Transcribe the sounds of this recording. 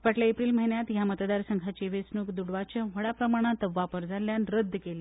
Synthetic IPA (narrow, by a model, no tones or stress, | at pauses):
pəʈljaepɾiːlməɦinjat̪jamət̪d̪aɾsəŋɡʰʱat͡ɕeʋesnukd̪uɽʋat͡ɕəʋ̤əɽapɾəmaɽ̃at̪ʋapəɾd͡zʱalːjanɾəd̪ʱːəkeli